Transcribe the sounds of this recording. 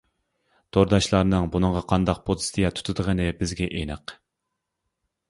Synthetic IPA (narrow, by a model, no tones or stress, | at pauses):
d̪̥ʰoɾd̪ɑʃlˠɑɾnɨŋbunɨŋʁɑqʰɑnd̪ɑq̚pʰod̪ɨ̥st̪ijɑt̪ʰu̥t̪ʰɨd̪əʁənɨbɪzɡʲɛʔenɨq